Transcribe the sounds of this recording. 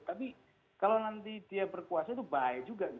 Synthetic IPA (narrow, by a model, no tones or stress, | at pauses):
t̪ap̬i | kalownant̪id̥iabərkuasait̪ubaɛd͡ʒuɡaʔŋ